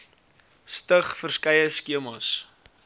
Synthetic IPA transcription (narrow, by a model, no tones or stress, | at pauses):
stəχfərskɐjəskiəmɑs